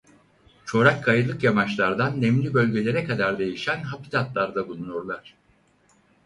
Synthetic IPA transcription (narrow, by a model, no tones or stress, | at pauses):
t͡ʃʰo̞ɾakʰːajɯlˠɯkjamat͡ʃlˠaɾd̪anːɛmlʲibølʲɟe̞lʲe̞ɾɛkʰad̪aɾd̪e̞jiʃænɦapit̪at̪lˠaɾd̪abulˠunoɾlˠaɾ̥